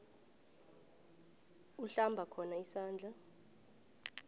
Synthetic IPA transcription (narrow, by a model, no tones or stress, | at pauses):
uɬambʱakʰɔnaisaːnd͡ɮʱa